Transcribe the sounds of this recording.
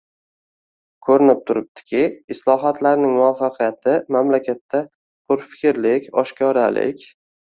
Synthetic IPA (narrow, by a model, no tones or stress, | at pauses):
kʰɵɾɪnɪp̚t̪ʰʊɾɪp̚t̪ʰɪ̥kʲʰɪɪslˠɒɦat̪ʰlaɾnɪŋmʊafːaqʰijat̪ʰɪmamlakʲʰat̪ʰːa | qʰʊɾfɪ̥kʲɾlɪkʲɒʃkʲʰɒɾalɪ̰kʲ